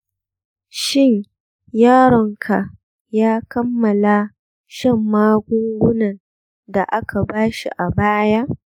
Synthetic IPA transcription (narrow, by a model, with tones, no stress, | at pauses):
ʃɪ˦˨ɲ | jaː˦ɽɔ˨ŋkʰa˨ | jaː˦kɐ˦mːɐ˨la˦ | ʃɐ˦˨mːaː˦ɡʷʊ˦ŋɡʷʊ˦nɐ˨n | da˨ʔa˦kʰa˨baː˦ʃḭ˨ʔa˨baː˦ja˦ʔ